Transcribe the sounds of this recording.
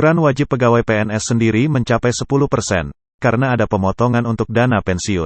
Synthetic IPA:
ɾanwad͡ʒɪppːəɡawajpeɛnɛsːəndiɾiməɲt͡ʃapɛjsəpuluhpərsɛ̰n | kaɾənaːdapəmɔt̪ɔŋanunt̪ʊk̚danapɛnsiʊ̰

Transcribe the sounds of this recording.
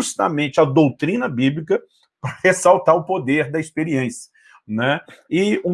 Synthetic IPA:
ust̪ɐ̰mẽnt͡ʃɪɐd̪owt̪ɾĩnɐbiblikɐ | pɾɐhesawt̪aɾʊpod̪eɾd̪ɐispeɾiẽsɐ̥ | nɛɪũ

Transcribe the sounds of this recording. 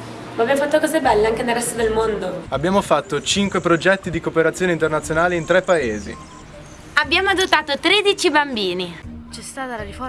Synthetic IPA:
mabjamofat̪ːokɔːzebɛlːeaŋkenelrɛst̪od̪elmond̪oabːjaːmofat̪ːot͡ʃiŋkwepɾod͡ʒɛt̪ːid̪ikopeɾat̪sːjoːneint̪ernat̪sjonaːleint̪ɾɛpːaeːzḭ | abːjaːmoad̪ot̪aːt̪ot̪ɾed̪it͡ʃibambiːnit͡ʃɛst̪at̪alaɾif

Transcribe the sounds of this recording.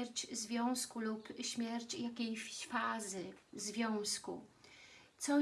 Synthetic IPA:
ɾt͡ɕzvʲjɔ̃w̃skulupɕmʲjɛɾt͡ɕjakʲejɕfazɘzvʲjɔ̃w̃skṵ | t̪sɔ

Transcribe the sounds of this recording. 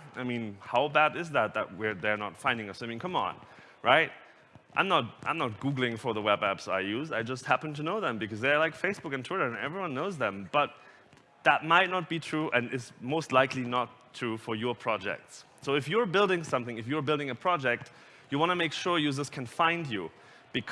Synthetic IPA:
a̰ɪmĩnhaʊbæɾɪzðæt̪̚ðə̰t̚wəɹðə˞nə̰tfãɪ̃ndɪ̃ŋʌsoaɪmĩnkʰʌ̃mə̰̃n | ɹʔaɪt̚ | ʔã̰ɪ̃mnət̚ʔã̰ɪ̃mnət̚ɡ̥uɡl̩ˠɪ̃ŋfə˞ðəwɛbæpsa̰ɪjʉzdaɪd͡ʒʌst̚hæpɨ̃n̩tɨnoʊðə̃mbɨkʰʌzðelaɪkfeɪsb̥ʊkɨ̃ntʰw̥ɪɾə˞ɨ̃nɛ̰vɹiwʌ̃nːoʊzðə̃mb̥ʌt̪̚ | ðət̚maɪtⁿnət̚b̥itʰɹ̥uʔɨ̃nɪtsmoʊstˡlaɪklinətʰːɹ̥ufə˞jə˞pʰɹ̥ɑd͡ʒɛ̰k̚ts | soʊɨfjə˞bɪlˠdɪ̃ŋsʌ̃mθɪ̃ŋɨfjə˞bɪlˠdɪ̃ŋɨpʰɹ̥ɑd͡ʒɛk̚t | jɨwɑ̃nɨmeɪkʃʊɹjʉzə˞z̥kʰɨ̃nfãɪ̃ndju | b̥ɨkʰ

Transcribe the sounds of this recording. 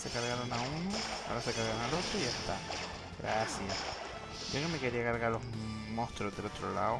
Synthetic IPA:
se̞kaɾɣaɾonaunoa̰ɾase̞kaɾɣaɾonalo̞t̪ɾoiast̪a | ɡɾasjas | ɟ͡ʝonome̞ke̞ɾiakaɾɣaɾlo̞zmõst̪ɾozðelo̞t̪ɾo̰la̰o

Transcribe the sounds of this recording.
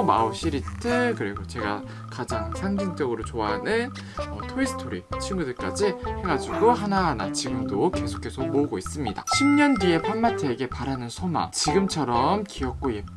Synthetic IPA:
ma̰oɕʰiɾitʰɯkɯɾeɡot͡ɕe̞ɡa̰ | kad͡ʑaŋsʰaŋd͡ʑiŋd͡ʑʌɡɯɾot͡ɕoɦanɯn | ʌtʰoisʰɯ̥tʰoɾḭt͡ɕʰinɡudɯɭk͈a̰d͡ʑihe̞ɡad͡ʑuɡohanaana̰t͡ɕiɡɯmdoke̞sʰo̥kʰe̞sʰomoɯɡois͈ɯmɲida̰ɕʰimɲʌndie̞pʰanːatʰɯeɡe̞paɾanɯnsʰoma̰ŋt͡ɕiɡɯmt͡ɕʰʌɾʌmkiʌk̚k͈ojep

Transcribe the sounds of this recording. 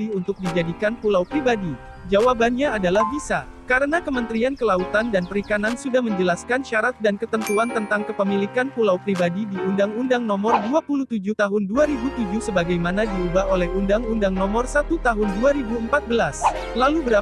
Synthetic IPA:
iunt̪ʊk̚did͡ʒadikanpulawpɾibadi | d͡ʒawabanɲaːdalahbisa | kaɾənakəmənt̪ɾiankəlaut̪andanpəɾikanansudahməɲd͡ʒəlaskanʃaɾat̪̚dankət̪ənt̪uant̪ənt̪aŋkəpəmilikanpulawpɾibadidiundaŋundaŋnɔmɔrduapulut̪ud͡ʒut̪aɦʊnduaɾibut̪ud͡ʒusəbaɡajmanadiubaɦolɛhɦundaŋundaŋnɔmɔrsat̪ut̪aɦʊnduaɾibuəmpat̪̚bəlas | lalubəɾa

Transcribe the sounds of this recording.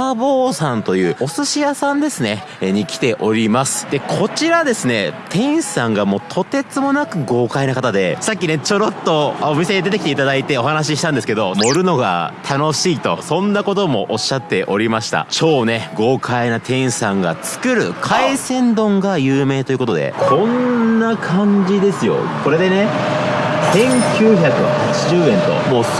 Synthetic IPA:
abo̞ːsãnt̪o̞jɯ̟ːo̞sɨɕijasãnd̪e̞sɨne̞ | ɲ̟ikʲi̥t̪e̞ʔo̞ɾʲimasɨ̥d̪̥e̞kʰo̞t͡ɕiɾad̪e̞sɨne̞t̪ʰẽ̞ɰ̃sãŋɡamo̞ːt̪ʰo̞t̪e̞t͡sɨmo̞nakɯ̟ɡo̞ːkainakat̪ad̪e̞sakʲːine̞t͡ɕo̞ɾo̞t̪ːo̞omʲise̞d̪ed̪e̞t̪ekʲi̥t̪eit̪ad̪ait̪e̞o̞hanaɕ̬iɕi̥t̪ãnd̪esɨ̥ke̞d̪o̞mo̞ɾɯ̟no̞ɡa̰t̪ʰano̞ɕiːt̪o̞̰sõ̞nːako̞t̪̬o̞mo̞ʔoɕːat̪ːe̞ʔo̞ɾʲimaɕi̥t̪a̰t͡ɕo̞ːne̞ɡo̞ːkʰainat̪ʰẽ̞ɰ̃sãŋɡa̰t͡sɨ̥kɯ̟ɾɯ̟kʰaisẽ̞nd̪õ̞ŋɡajɯːme̞ːt̪oiɯ̟kot̪o̞d̪e̞̰kʰõ̞nːakʰãɲd͡ʑid̪e̞sɨjo̞̰kʰo̞ɾe̞d̪e̞ne̞ | sẽ̞ŋkʲɨːçʲakɯ̟hat͡ɕiʑɨːẽ̞nt̪o̞̰moː

